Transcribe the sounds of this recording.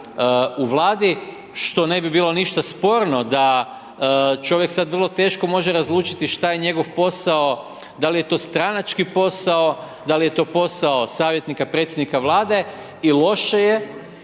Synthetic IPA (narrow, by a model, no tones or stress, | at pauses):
uʋlˠaːd̪i | ʃt̪o̞ne̞bibiːlo̞niʃt̪aspo̞ːɾno̞d̪a | t͡ʃo̞ʋjeksad̪ʋr̩lˠo̞t̪e̞ːʃko̞mo̞ʒeɾazlˠuːt͡ʃit̪iʃt̪ajeɲe̞ɡo̞ʋpo̞sao̞ | d̪alije̞t̪o̞ːst̪ɾanat͡ʃkipo̞sao̞ | d̪alije̞t̪o̞ːpo̞saosaːʋjet̪nikapɾe̞t̪sʲjed̪nikaʋlˠaːd̪e̞ | ilˠo̞ʃeje